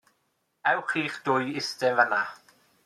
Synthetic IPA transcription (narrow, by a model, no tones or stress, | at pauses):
ɛwχiːχd̥ʊjɪstɛnvəna